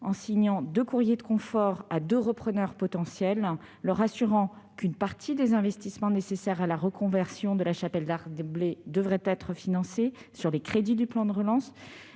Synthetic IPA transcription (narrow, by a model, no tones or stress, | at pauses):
ɑ̃siɲɑ̃d̪økuʁjed̪əkɔ̃fɔʁad̪øʁəpχənœʁpɔt̪ɑ̃sjɛlː | œʁasyʁɑ̃kynpaʁt̪ʰid̪ezɛ̃vɛst̪ismɑ̃nesesɛʁalaʁəkɔ̃vɛʁsjɔ̃d̪əlaʃapɛld̪aʁd̪bled̪əvʁɛt̪ɛt̪χəfinɑ̃sesyʁlekχed̪id̪yplɑ̃d̪əʁəlɑ̃s